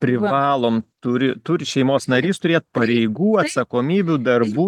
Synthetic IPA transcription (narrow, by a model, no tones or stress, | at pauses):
pʲɾʲɪʋɑːlˠoːmt̪ʊɾʲɪt̪ʊɾʲɪʃʲɛɪmoːsnɐɾʲiːst̪ʊɾʲeːt̪̚pɐɾʲɛɪɡuːɐt̪sɐkoːmʲiːbʲud̪ɐrbuː